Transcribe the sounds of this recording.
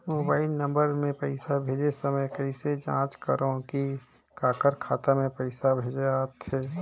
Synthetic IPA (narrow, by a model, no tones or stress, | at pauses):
moːbaːɪlnə̃mbəɾmẽpəɪsabʱeːd͡ʒesəməjkəɪsed͡ʒã̰ːt͡ʃkəɾõki | kaːkəɾkʰaːt̪amẽpəɪsabʱeːd͡ʒeaːt̪ɦeː